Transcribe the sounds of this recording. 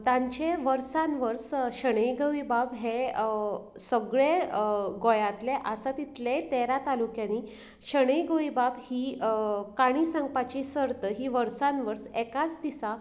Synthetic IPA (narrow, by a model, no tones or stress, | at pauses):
t̪ãɲt͡ɕeʋəɾsãnʋəɾsɕəɽ̃əjɡəʋibabɦe | səɡɭeɡojat̪leʔəsat̪it̪let̪eɾat̪alukjãni | ɕəɽ̃əjɡəʋibabhiːkaɽ̃isãŋɡpat͡ɕisəɾt̪əɦiʋəɾsãnʋəɾsekat͡sd̪isa